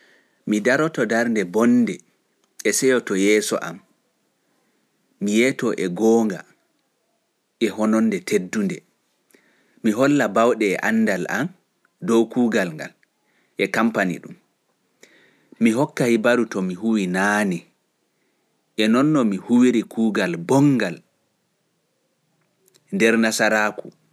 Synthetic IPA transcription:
midaɾɔtɔdaɾndɛbɔnːdɛ | ɛsɛjɔtɔjɛːsɔ̰ʔa̰m | mijɛtɔʔɛɡɔŋɡa̰ | ʔɛhɔnɔnːdɛtʰedːundɛ | miɦɔlːabawɗɛːʔa̰nːdala̰m | dɔwkuːɡalŋɡa̰l | ʔɛkampanḭɗum | miɦɔkːahibaɾutɔmiɦuwinaːni | ʔɛnɔnːɔmihuwiɾikʰuːɡalbɔŋːɡal | ndɛɾnasaɾaːku

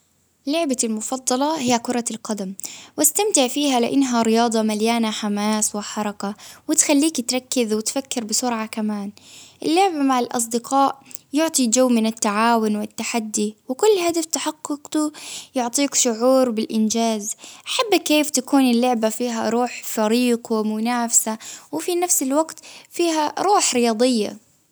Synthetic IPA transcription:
lːʊʕbalmʊfɑd̪ˤːɑlɑhɪjːakʊɾˤɑlqɑd̪amwʔast̪amt̪ɪʕfiːhalɪʔɪnːɦaɾɪjɑːd̪ˤɑmaljaːnaħamaːswɪħɑɾˤɑkawɪt̪xalːiːkt̪ɾˤɑkːɪzwɪt̪fakːɪɾbɪsʊɾʕakamaːnʔɪlːʊʕbamaʕɪlʔɑ̰s̬ˤd̪ɪqɑːʔjʊʕt̪ˤid͡ʒawːmɪnɪt̪ːaʕaːwʊnwɪt̪ːaħad̪ːiwɪkʊlːɦad̪aft̪aħɑqːʊqt̪ujʊʕt̪ˤiːkʃʊʕuːɾbɪlʔɪnd͡ʒaːzʔaħabːakːeːft̪akuːnɪlːʊʕbafiːɦaɾˤuːħfaɾiːqwɪmʊnaːfsawɪfinafsɪlwaɡt̪fiːɦaɾˤuːħɾɪjɑːd̪ˤɪjːa̰

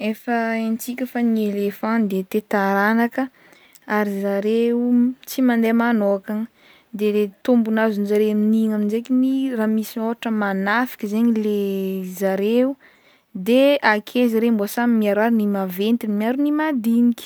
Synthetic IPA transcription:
efəent͡sikʲəfanielefãd̪et̪et̪aɾanakə | aɾizaɾeut͡simand̪emanokaŋə | d̪elet̪umbunazunizaɾeminiŋamind͡ʒekiniramisioaʈ͡ʂəmanafi̥kʲəzeɲilezaɾeu | d̪eakʰeziɾemboasamimiaɾaɾinimavent̪inmiaɾunimad̪inikʲi̥

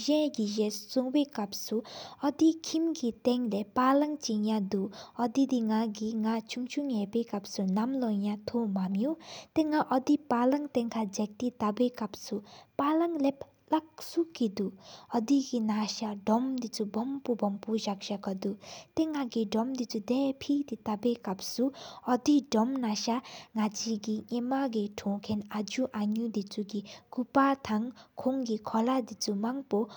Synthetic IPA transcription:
ʒɛ̃ɡiʑɛ̃suŋwekap̚suɔd̪ikʰimɡit̪ɛŋlɛpːalaŋt͡ɕijãd̪uɔd̪id̪iŋaɡiŋat͡ʃʰuŋt͡ʃʰuŋjɛpekap̚sunamlɔjãt̪ʰomamjut̪eŋaʔɔd̪ipalaŋt̪ɛ̃ŋkʰad͡ʒak̚t̪it̪awekap̚supalaŋlɛp̚ | lak̚sukid̪uɔd̪iɡinaʃaɖɔmd̪it͡subɔmpubɔmpuʒak̚ʒakɔd̪ut̪eŋːaɡidɔmd̪it͡sud̪ɛpʰid̪it̪abekap̚suɔd̪iɖɔmnaʃaŋad͡ʒiɡiŋemaɡiʈʰɔ̃kʰenad͡ʒuʔaɲud̪it͡suɡikupat̪ʰaŋkʰoŋɡikʰɔlad̪it͡sumaŋpɔ

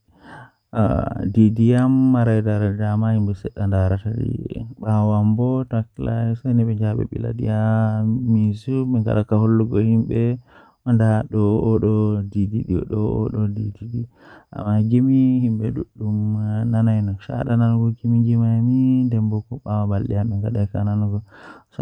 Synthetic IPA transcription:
a̰didijamːaɾajdaɾadidamahimbɛsɛɗːandaɾatadḭɓawambɔtaklasanɛɓɛɲd͡ʒaɓɛ̰ɓḭla̰dḭjamisumɛŋɡa̰ɗakaholːuɡɔhimɓɛ | ʔɔndaɗɔːɗɔdidiɗḭɗɔɔ̰ɗɔdididia̰mːaɡimihimbɛɗuɗːumnanajnɔʃa̰ɗananuɡɔɡimiɡimamindɛmbɔkɔɓawabalɗijamɛŋɡaɗakananuɡɔsɔ

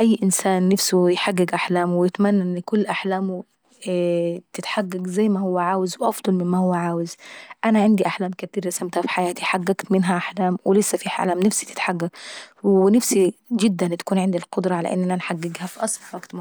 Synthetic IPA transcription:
ʔajːʔɪnsaːnːafsujħaɡːɪɡʔaħlaːmwɪjɪt̪manːaʔɪnːkʊlːʔaħlaːmu | t̪ɪt̪ħaɡːaɡzajːmahʊwːaʕaːwɪzwʔɑfd̪ˤɑlmɪmːahʊwːaʕaːwɪzʔanaʕɪnd̪iʔaħlaːmkat̪iːɾasamt̪hafi̥ħajaːt̪iħaɡːaɡt̪mɪnɦaʔaħlaːmwɪlɪsːafiħa̰laːmnafsi̥t̪ɪ̥t̪ħaɡːaɡwɪnafsid͡ʒɪd̪ːant̪ḁkuːnʕɪnd̪ilqʊd̪ɾˤɑʕala̰ʔɪ̰nːʔanʔnħaɡːɪɡhafiʔɑsˤlwaɡt̪m

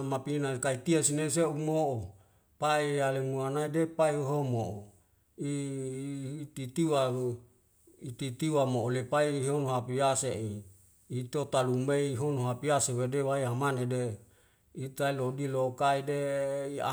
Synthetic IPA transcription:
mapinakait̪iasineseumoʔo | paialemuanaidepaiɦomoʔo | i | t̪it̪iwa | it̪it̪iwamoʔolepaiɦonoɦapiaseʔiː | t̪ot̪alumeiɦonoɦapiasewedewaiamanede | it̪ailodilokaideia̰

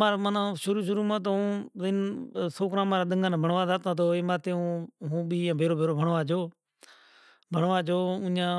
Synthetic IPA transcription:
maːɾmanãːʃʊɾuːʃ̬ʊɾuːmãːt̪̬oũːzɪnsoːkɾãːmaːɾaːɗəŋɡaːnãːbʱəɳʋaːd̪aːt̪ãːt̪oːeːmaːt̪eːũːɦũːɓiːãːbʱeːɾoːbʱeːɾoːbʱəɳʋaːd͡ʒoː | bʱəɳʋaːd͡ʒoːʊ̃ːãː

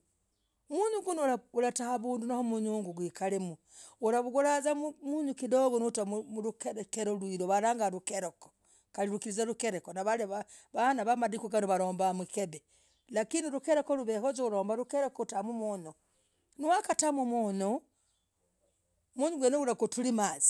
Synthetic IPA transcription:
muɲuɡunauɾatahaβuːndunahomuɲuːŋɡuɡwiːkalemu | uɾaβuɡuɾazamuɲukidoβonutamumuɾukeɾkeɾolwiɾoβaɾaŋɡaɾukeɾoko̥ | kaliɾukiɾizaɾukeɾekonaβaleβaβanaβamadikuɡanuβaɾoːmbamikebe | lakiniɾukeɾekoluβehozouɾoːmbaɾukeɾekotamumuno | niwakatamumuno | muɲuɡwenoɡuɾakotulimaːzi̥

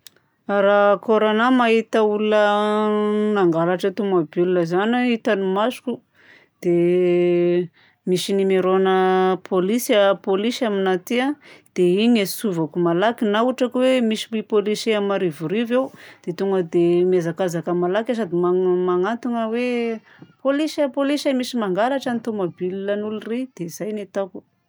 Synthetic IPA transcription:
aɾakoɾonamaɦit̪əulunə | naŋɡalaʈ͡ʂət̪umabilunəzanait̪animasu̥ku | d̪̥e | misinimeɾonəpʰolisapolisaminat̪iad̪̥eiɲesuvakumalakinauʈ͡ʂakwemisi̥ipoliseamaɾivuɾivewd̪̥et̪uŋɡəd̪emazakazakəmalakas̬ad̪imamaŋant̪uŋəwe | polisapolisamisimaŋɡalaʈ͡ʂanit̪omobililanulurid̪̥eiz̥ajnet̪aku̥

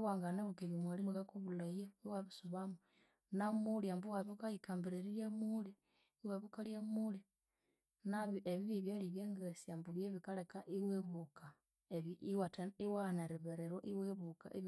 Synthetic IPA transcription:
waːŋɡaneβukiβimwalimukakuβulajeβiwaβisuβamu | namuliambuwaβukaikaːmbiɾeɾiɾjamuli | waβukaljamuli | naβieβiβiβjaliβjeŋɡesiambuβjeβikalekaʔiweβuka | eβiwataiwaneɾiβeɾeɾoʔiweβuka̰ʔeβ

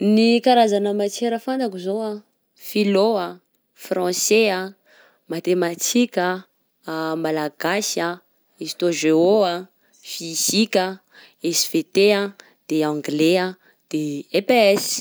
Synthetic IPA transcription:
nikaɾazanəmat͡ʃeɾəfant̪akuzoa | filoa | frɑ̃sea | mat̪emat͡sʰikʲə | malaɡasa | esi̥t̪oʒeoa | fisikʲə | esi̥fet̪ea | d̪̥eãŋɡlea | d̪̥eepeɛs

